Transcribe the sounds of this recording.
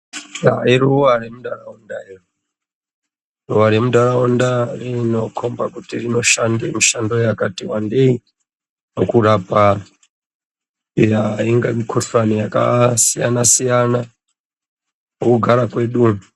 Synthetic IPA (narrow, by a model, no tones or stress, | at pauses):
ja̰iruwaɾemuɗaraundairu | ruʋaɾemuɗaɾaundarino̞kʰo̞mbakutirino̞ʃandemiʃando̞jakatiwande̞i | nokuɾapa | ijaiŋɡamikʰotranijaka̰sijanasijana | mokuɡʱaɾakwe̞ːɗu